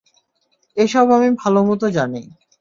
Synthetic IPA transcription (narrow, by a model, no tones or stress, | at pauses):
eʃɔbamibʱalomɔt̪̬od͡ʑane